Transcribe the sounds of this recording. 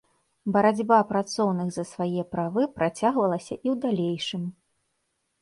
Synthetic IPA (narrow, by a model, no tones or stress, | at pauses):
bɐɾad͡zʲbapɾat̪sɔwnɨɣzɐsvajɛpɾavɨpɾat͡sʲaɣvɐlˠɐsʲɐʔiwd̪alʲejʂɨm